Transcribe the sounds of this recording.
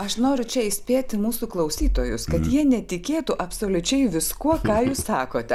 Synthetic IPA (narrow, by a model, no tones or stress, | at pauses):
ɐʃnoːɾʲʊt͡ʃʲɛɪsʲpʲeːt̪ʲɪmuːsuːklˠɐʊsʲiːt̪oːjʊskɐt̪jiɛnʲɛt̪ʲɪkʲeːt̪uʔɐpsoːlʲʊt͡ʃʲɛɪʋʲɪskuɔkɑːjuːssɑːkoːt̪ʲɛ